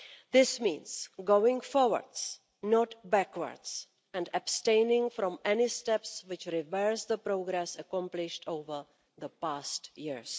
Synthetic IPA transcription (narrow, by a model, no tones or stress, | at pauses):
ðɪsmḭ̃ːnsɡowɪ̃ŋfɔɹwə̰ɹds | nɔtbækwə̰ɹds | ɛ̃ndabstẽɪnɪ̃ŋfɾɔ̃mʔɛnɪstɛpswɪt͡ʃɾɪvɛɹsðəpɾoɡɾɛsəkɔ̃mplɪʃtʰowvə˞ | ðəpaːstjɪɹs